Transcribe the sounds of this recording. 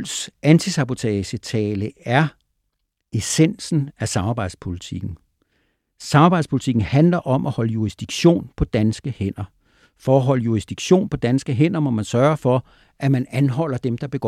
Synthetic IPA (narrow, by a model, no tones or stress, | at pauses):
lsænt͡sʰisɑ̈b̥o̝t͡sʰɛɕət͡sʰɛːləæɐ | esen̰sn̩æsɑ̈mɑ̈b̥ɑ̈ɪd̥̩ˠspʰolit͡sʰiɡ̥n̩ | sɑ̈mɑ̈b̥ɪ̥spʰulit͡sʰiɡ̥n̩hænlɐʔɒ̽mʔæhɒ̽ləjuisd̥iɡ̥ɕo̝̰ːnpʰɒ̽d̥ænsɡ̥əhen̰ɐ | fɒːɦɒ̽ləjuʁisd̥iɡ̥ɕo̝̰ːnpʰɒ̽d̥ænsɡ̥əɦen̰ɐmɔ̽mænsɶːɐɐfɒ̽ | ʔæmænænɦɒ̽l̰ɐd̥emd̥ɑ̈b̥e̝ɡ̥ɒ̰